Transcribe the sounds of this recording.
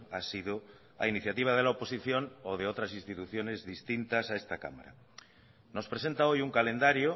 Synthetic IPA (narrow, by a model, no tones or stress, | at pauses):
asiðo | a̰iniθjat̪iβ̞að̞elaopo̞siθjo̞noð̞eot̪ɾasĩnst̪it̪uθjone̞zðist̪int̪asaest̪aka̰ma̰ɾa̰ | no̞spɾe̞se̞nt̪aojuŋkale̞nd̪aɾjo